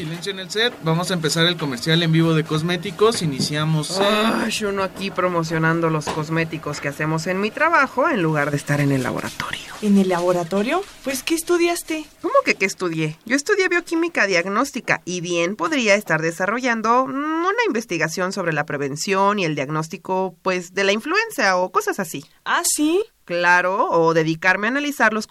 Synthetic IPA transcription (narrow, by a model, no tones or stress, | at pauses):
silens̬joenelset̪̚bamo̞saempe̞saɾe̞lko̞meɾsjale̞mbiβo̞ðe̞ko̞zme̞t̪iko̞sinisjamosaʃunoakipɾo̞mo̞s̬jo̞nãnd̪o̞lo̞sko̞zme̞t̪iko̞ske̞ase̞mo̞se̞nmit̪ɾaβaxoe̞nluɣaɾðest̪aɾe̞ne̞lːa̰βo̰ɾʔa̰t̪oɾjo̥enelːaβoɾat̪oɾjo̞pwe̞skeːst̪uðjast̪eko̞mo̞ke̞keːst̪uðje̞ɟ͡ʝo̞est̪uðje̞βjo̞kimikaðjaɣno̞st̪ika̰ʔiβje̞npoðɾiae̞st̪aɾðe̞saro̞ʝand̪o̞unaimbe̞st̪iɣasjo̞nso̞β̞ɾe̞lapɾe̞βe̞nsjo̞nie̞ld̪jaɣno̞s̬t̪iko̞pwe̞zðe̞laiɱflue̞nsjaoko̞sasasi | asi | klaɾoːðe̞ðikaɾmeanalisaɾlo̞s